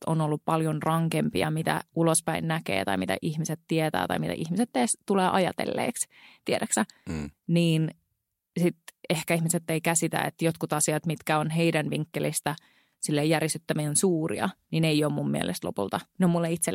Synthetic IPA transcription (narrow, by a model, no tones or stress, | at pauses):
onolːuppɑljonrɑŋkempḭɑ̰mit̪æ̰ulospæinnækḛːt̪ɑ̰imit̪æ̰ʔihmiset̪t̪ːiet̪æ̰ːt̪ɑ̰jmit̪æ̰ʔihmiset̪ːeːst̪uleːʔɑjɑ̰t̪ḛlːḛːks | t̪ieɾæksæniːn | sit̪ehkæihmiset̪ːeikæsit̪æ̰ḛt̪jot̪kut̪ɑsiɑt̪mit̪kæonɦeidænʋiŋkːelist̪æ | silːejːærjesyt̪ːæminsuːrḭɑ̰nineioːmmummiḛlʔḛst̪lo̰pṵlt̪ɑneomːulːeit̪se